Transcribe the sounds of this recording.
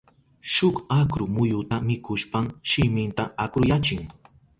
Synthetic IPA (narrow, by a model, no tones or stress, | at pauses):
ʃʊkakɾʊmʊjʊt̪amɪkʊʃpamʃɪmɪnt̪aakɾʊjat͡ʃɪŋ